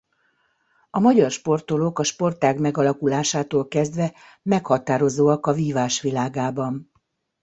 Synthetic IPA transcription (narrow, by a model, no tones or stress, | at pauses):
ɒmɒɟɒrʃpo̞rt̪olokɒʃpo̞rt̪aːɡmɛɡɒlɒkulaːʃaːt̪oːlkɛzd̪ʋɛ | mɛkhɒt̪aːɾo̞zoːɒkɒviːvaːʃʋilaːɡaːbɒn